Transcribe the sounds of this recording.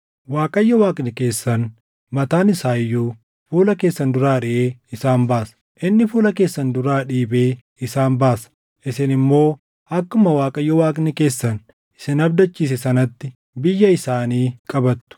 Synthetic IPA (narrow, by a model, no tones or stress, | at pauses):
waːkʼɐjːɐwaːkʼnɪke̞ːsːɐn | mɐt̪aːnɪsaːjːuː | fuːlɐke̞ːsːɐnd̪ʊɾaːɾɪʔeːɪsaːmbaːs | ʔɪnːɪfuːlɐke̞ːsːɐnd̪ʊɾaːᶑiːbe̞ː | ɪsaːnbaːsɐ̥ | ʔɪsɪnɪmːo̞ː | ʔɐkːʊmɐwaːkʼɐjːɐwaːkʼnɪke̞ːsːɐn | ɪ̥sɪnɐb̚d̪ɐt͡ʃːiːs̬ɛsɐnɐt̪ːɪ | bɪjːɐɪsaːniːkʼɐbɐt̪ːʊ̥